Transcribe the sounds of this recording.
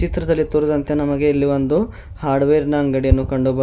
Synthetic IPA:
t͡ʃit̪ɾɐd̪ɐlːit̪uɾud̪ɐnt̪enɐmɐɡe̞ːlːiʋond̪u | haːɾɖʋeːɾnɐːŋɡɐɽijɐnːukɐɳɖubɐ

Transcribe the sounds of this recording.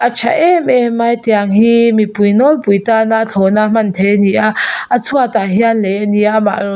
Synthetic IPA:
ʔat͡ʃʰa̰ʔɛmɛmajt̪iaŋhiːmipujnɔlpujtanat͡ɬʰɔnam̥ant̪ʰeniʔaʔːt͡sʰuat̪aɦianlɛniama̰

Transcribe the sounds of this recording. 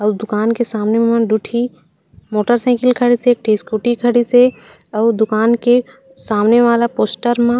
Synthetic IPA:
əːd̪ʊkaːnkesaːmnemãɖuʈʰi | moːʈəɾsɛ̃ːkɪlkʰəɽisek̚ʈʰiːskuʈikʰəɽise | əːd̪ʊkaːnke | saːmneʋaːlapoːsʈəɾmã

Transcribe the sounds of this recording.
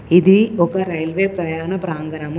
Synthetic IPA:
iðiɔkːɐɾɐjlʋeːpɾɐjaːnɐpɾaːŋɡɐnɐm

